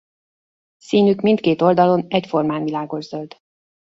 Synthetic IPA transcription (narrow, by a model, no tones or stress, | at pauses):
siːnykmint̪keːt̪o̞ld̪ɒlo̞nɛcfo̞rmaːnvilaːɡo̞ʒzø̞ld̪